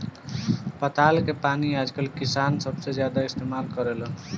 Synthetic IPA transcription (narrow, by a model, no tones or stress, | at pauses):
pət̪alkepaniad͡ʒkəlkisansəbsed͡ʒjad̪aist̪emalkʌɾelə